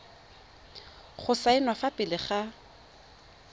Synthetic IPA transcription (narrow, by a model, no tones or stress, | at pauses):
χʊsaɪnwafapʼɪlɪχa